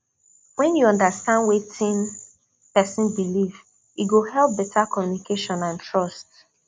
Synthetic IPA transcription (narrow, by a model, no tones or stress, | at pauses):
wɛ̃njuɔ̃ndastãndwetʰĩn | pɛsɪ̃nbilif | iɡohɛlˠp̚bɛtʰakɔmjunikeʃɔ̃nãntɹɔst